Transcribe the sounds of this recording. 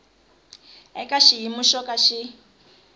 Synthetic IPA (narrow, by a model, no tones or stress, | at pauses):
ɛ̰kʼaʃiɦimuʃɔkʼaʃi